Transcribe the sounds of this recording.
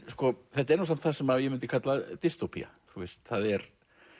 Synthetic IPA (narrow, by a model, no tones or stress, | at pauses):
skɔθɛht̪aɛɾnoːs̬am̥t̪θasɛmajɛmʏnt̪ɪkʰat̪lat̪ɪst̪opʰḭa̰ | θuɪst̪θaðɛɾ